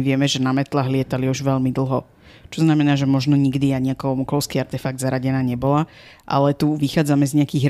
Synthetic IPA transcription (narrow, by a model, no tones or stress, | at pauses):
iʋɪɛmɛʒɛnamɛt̪laɦlɪɛt̪aliuʒʋɛʎmid̪l̩ˠɦɔ | t͡ʃɔznamɛnaːʒɛmɔʒnɔɲiɡd̪iaɲɛakɔɔmɔkɔʊskiaɾt̪ɛfaɡ̚d̪zaɾaɟɛnaːɲɛbɔlaʔa̰lɛt̪uʋixaːd͡zamɛzɲɛakiːɣɾ